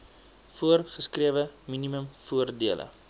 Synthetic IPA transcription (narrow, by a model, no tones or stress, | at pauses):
fuərχəskriəvəminiməmfuərdiəlʔə̰